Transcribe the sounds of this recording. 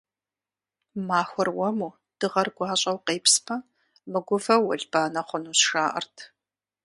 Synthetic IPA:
maːxʷɔrwɐmuː | d̥ɨʁɐrɡʷɑːɕʼɐwqeːpspʰɐ | mɨɡʷʊvɐwɐɮb̥aːnɐχʷʊnuːsʂaːʔɐ̰rtʰ

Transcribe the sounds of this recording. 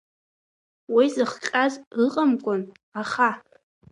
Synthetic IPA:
wizɨχqʲʼazrɨqʼamkʷʼʊn | aχa

